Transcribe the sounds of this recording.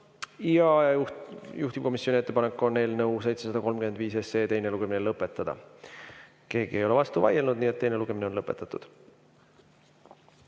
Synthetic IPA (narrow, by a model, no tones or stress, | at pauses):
iɑɑjuht̪ib̥̚ko̞misjo̞nie̞t̪ːe̞pɑne̞kːˑo̞nːe̞ːlnɤwsejt̪se̞sɑd̪ɑko̞lmkyme̞nd̪viːse̞se̞ːt̪e̞jne̞luɡ̥e̞minelɤpːˑe̞t̪ːˑɑd̪̥ɑ̰ | ke̞ːɡ̥ie̞jo̞le̞vɑst̪uvɑ̰jelnud̪niːet̪̚ːe̞jne̞luɡ̥e̞minenlɤpˑːe̞t̪ːˑɑt̪ːˑud̪̥